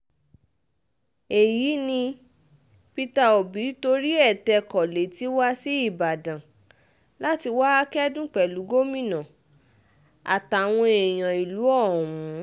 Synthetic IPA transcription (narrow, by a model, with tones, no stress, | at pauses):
e˨ji˨˦nĩ˧ | pi˧ta˧o˨bi˨˦to˧ɾi˦ɛ˦˨tɛ˧kɔ˨le˨˦ti˦wa˦si˦i˦˨ba˨dã˨ | la˦ti˧wa˦a˦kɛ˦dũ˦k͡pɛ˨lu˨˦ɡo˦mĩ˦˨nã˨ | a̰˨ta˨w̃ɔ̃˧e˨j̃ã˨i˨lu˨˦ɔ̃˦˨ũ˨˦